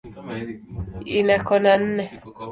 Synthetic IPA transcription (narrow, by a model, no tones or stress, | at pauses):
inakɔnan̩ːɛ